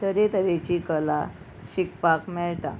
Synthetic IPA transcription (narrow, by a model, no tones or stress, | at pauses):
t̪əɾet̪əʋet͡ɕikəla | ɕikpakmɛɭt̪a̰